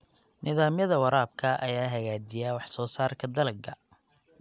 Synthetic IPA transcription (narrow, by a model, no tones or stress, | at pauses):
nɪðaːmjɐðɐwɐɾaːbkʰɐʔɐ̰jaːɦɐɣaːd͡ʒɪjaːwɑħsɔːsaːrkʰɐd̪ɐlɐɡʰɐ